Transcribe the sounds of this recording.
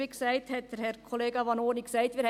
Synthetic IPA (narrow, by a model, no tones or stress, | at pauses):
iksæɪt̪hɛtəhɛɾkʰoleːɡɑʋɑnoːniksæɪt̪ʋiːɾh